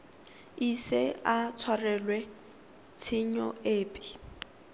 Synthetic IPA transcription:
iseat͡sʰwarɛlwɛ | t͡sʰiɲɔeːpʼɪ̥

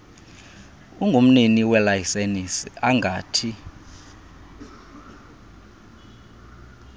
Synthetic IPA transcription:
uŋɡʱom̩niniwɛlajisenisiaŋɡʱaːtʰi

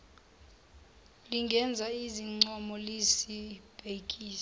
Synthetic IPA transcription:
liŋɡʱɛnd͡zʱaiziŋ͡ǀɔmɔlisib̥ʱek̬ʼiːs

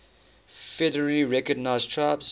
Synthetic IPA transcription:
fɛdəɹəliɹɛkəɡ̚naɪztʰɹaɪbz̥

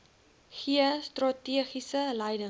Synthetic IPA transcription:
χiəstrɑtiəχisələjdə

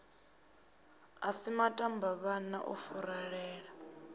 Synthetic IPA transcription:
asimatʼambaβanaʔufuɾaɺɛːɺa

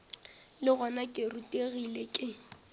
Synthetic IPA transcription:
lɪɣɔnakʼɪrutʼeɣilekʼɪ

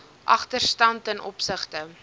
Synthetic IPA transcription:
ʔɐ̰χtərstɐntənʔɔpsəχtə

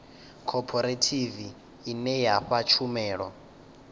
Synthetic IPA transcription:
kʰɔpʰɔɾetʰiviː | nɛjaɸat͡ʃʰumɛːɺɔ

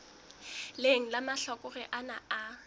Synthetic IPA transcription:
leŋ̩lamaɬɔkʼʊrɛʔanaa

